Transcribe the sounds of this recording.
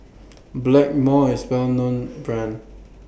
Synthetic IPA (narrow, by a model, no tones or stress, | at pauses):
blɛk̚mɔɪswɛlnõnbɹãn